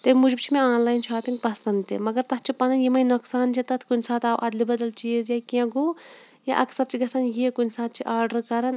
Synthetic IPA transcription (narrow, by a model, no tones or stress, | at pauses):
t̪emud͡ʒbt͡ʃʰimẽaːnlaːjnʃʰaːpiŋɡ̚pɐsɐnd̪t̪ːḛmɐɡɐɾt̪ɐtt͡ʃʰipɐnɐnjimɐjnoksaːnt͡ʃʰit̪ɐt̪ʰkunʲsaːt̪aːwʔɐd̪libɐd̪ɐlt͡ʃizjakãɡo | ja̰ʔɐksɐɾt͡ʃʰiɡɐsɐnjeːkunʲsaːt̪̚t͡ʃʰiʔaːɾɖɐɾkɐɾɐn